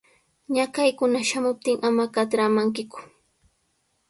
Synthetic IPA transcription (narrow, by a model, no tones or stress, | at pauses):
ɲakajkʊnaʃamʊp̚t̪ɪŋʔamakat̪ɾamaŋkɪkʊ̥